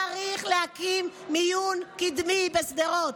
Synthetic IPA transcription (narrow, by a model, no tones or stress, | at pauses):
aʁiχlehakimːijunkid̪mibesd̪eʁot̪